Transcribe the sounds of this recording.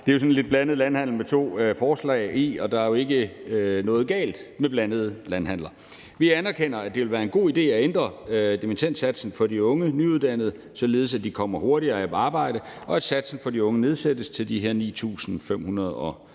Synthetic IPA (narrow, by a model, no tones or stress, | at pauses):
d̥eɐjo̝sɒ̽nle̝d̥̚b̥lænəð̞̩ˠlænhæn̰l̩met͡sʰo̝̰ːfɒːslɛ̰ɪiɒ̽d̥ɑ̈æɐjo̝e̝ɡ̥ənɔ̽ːðˠɡ̥ɛ̰ːld̥meb̥lænəð̞ˠlænɦæn̰lɐ | ʋiænæɐkʰen̰ɐæd̥e̝ʋelʋæːɐe̝nɡ̥o̝̰ːid̥e̝̰ːæend̥ʁɐd̥emint͡sʰen̰d̥sæd̥sn̩fɒ̽d̥iɔ̽ŋənyuð̞ˠd̥æn̰əð̞ˠ | sɒ̽le̝ːðˠsæd̥ikʰɒ̽m̰ɐho̝ɐɾiɐːæpʰɒɑ̈ːb̥ɑ̈ɪ̰d̥əɒ̽æ̥sæd̥sn̩fɒ̽diɔ̽ŋəne̝ð̞ˠsed̥əst͡sʰe̝ld̥iɦeɐ̰nḭːt͡sʰṵːsn̩fem̰hunɐð̞ˠɒ